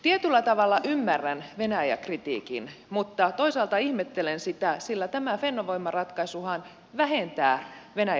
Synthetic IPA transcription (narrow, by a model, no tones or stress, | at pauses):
t̪iet̪ylːæt̪ɑʋɑlːɑʔymːærːænʋenæjæ̰krit̪ḭːkḭnmut̪ːɑt̪oisɑːlt̪ɑihmet̪ːelensit̪æsilːæt̪æmæfenːoʋoimːɑrɑt̪kɑisuhɑn | ʋæhent̪æːʋenæj